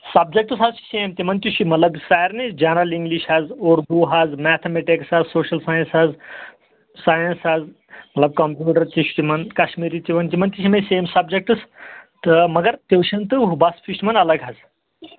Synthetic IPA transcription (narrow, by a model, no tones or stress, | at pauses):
sɐb̚d͡ʒek̚ʈɨsɦazt͡ʃi̥seːmt̪imɐnt̪iʃimɐt̪lɐbsaːjɾnid͡ʒɐnɾɐliŋɡliʃaːzoːɾɡuːɦaːzmɛt̪ʰemeʈeksazsoːʃɐlsaːjə̃nsaːz | saːjɐnsaːz | mɐt̪lɐb̚kɐmpjuːʈɐɾt̪iʃu̥t̪imɐnkɐʃmiːɾit̪iʋɐnt̪imɐnt̪iʃimɐseːmsɐbd͡ʒek̚ʈɨst̪əmɐɡɐɾt̪ewʃɐnt̪ɨɦubɐsfʰisʈmɐnɐlɐɡɦaz